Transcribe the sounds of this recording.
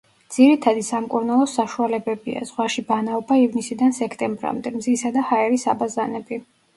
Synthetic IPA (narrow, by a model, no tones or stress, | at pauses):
d̪z̥iɾit̪ʰad̪isamkʼuɾnalˠɔsaʃualɛbɛbia̰z̥ʁwaʃibanaɔbaivnisid̪ansɛkʰt̪ʼɛmbɾa̰md̪ɛmzisad̪ahaɛɾisa̰bazanɛbi